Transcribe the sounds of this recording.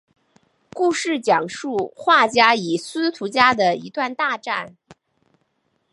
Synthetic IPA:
ku˥˧ʂɻ̩˥˩t͡ɕjɑ˨˩ŋʂu˥˧xwa˥˩t͡ɕja˥i˨˩sɹ̩˥t̪ʰu˧˥t͡ɕja˥d̪ə˨ḭ˧˥t̪wa˥˧nt̪a˥˧ʈ͡ʂa˥˩n

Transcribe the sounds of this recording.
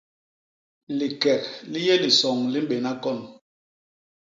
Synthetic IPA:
li˨kɛ˨k̚li˦jɛ˦li˨sɔ˨ŋli˦m˦ɓe˨na˦kɔ˦˨n

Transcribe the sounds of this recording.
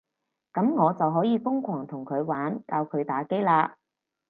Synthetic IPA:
kɐ˨˥mŋɔː˨˧t͡sɐ˨wɦɔː˨˥jiː˨˧fʊ˥ŋkʷʰɔː˨˩ŋt̪ʰʊ˨˩ŋkʰɵ˨˧ɥwaː˨˥nkaː˧wkʰɵ˨˧ɥt̪aː˨˥ke˥jlaː˧

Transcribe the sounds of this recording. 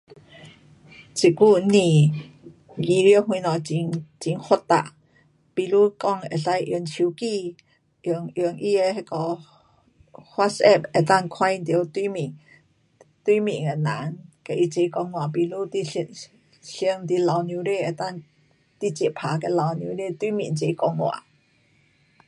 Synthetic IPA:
t͡ɕi˨˩ku˧˨nĩ˧˩ | ɡi˧ɾhwĩ˧nɔ˨˩t͡ɕi˧˦ŋt͡ɕi˧˦ŋho˧˥t̪a̰˧˨ʔ | pi˧lu˧˥˦kɔ˧˨ŋɛ˨˩sa˧˥jʔi˧əŋt͡ɕʰi˧˦ki˧˨ | ʔŋʔi˧əŋʔi˧e˧he˧kɔ˧˩ | hwa˦˥tsɛ˥˧˩p̚ɛ˨˩t̪a˥˨ŋkʰwã˥jnt̪i˧˦t̪wi˦mi˨˩ŋ | t̪wi˧˦mḭ̃˨ŋe˧˩na̰˨˦nke˧˨˩ʔi˧t͡ɕe˧kɔ˧ŋːw̃ã˨pi˧lu˦t̪i˧ | ɬi˧əŋt̪i˧˥la˨˧wnjũ˧˦ɾe˥˧˨e˨˩t̪a˥˨ŋ | t̪i˧˨t͡ɕje˨˩˨pʰa˨˧˦ke˧la˨˧wnjũ˧˦ɾe˥˧t̪wi˧˦mḭ˨˩nt͡ɕe˧˦kɔ˧ŋːwa̰˨˩

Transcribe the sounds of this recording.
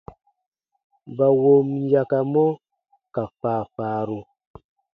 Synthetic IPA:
ba˨wo˦mja˨ka˨mɔ˦ | ka˨faː˨faː˨ɾu˨

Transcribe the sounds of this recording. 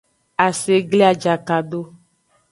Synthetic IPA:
a˨se˨ɡle˦a˨d͡ʒa˨ka˨ɖo˦

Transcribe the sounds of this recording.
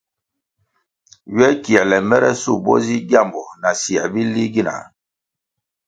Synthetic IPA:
ɥɛ˦ki˨ɛ˨lɛ˨mɛ˦ɾɛ˦su˦˨bɔ̰˦zi˦ɡa˦˨mbɔ˨na˨si˨ɛ̰˨bi˦li˦ɡi˦na̰˨

